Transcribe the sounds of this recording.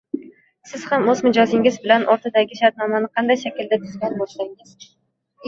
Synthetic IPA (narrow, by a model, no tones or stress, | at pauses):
sɪz̥hamɵzmɪd͡ʒɒzɪŋɪzbɪlanʔɒɾt̪ʰad̪aɡʲɪʃaɾt̪̚nɒmanɪqʰɑnd̪ajʃakʲɪld̪at̪ʰʊzɡʲanbɒʃlaŋɪz̥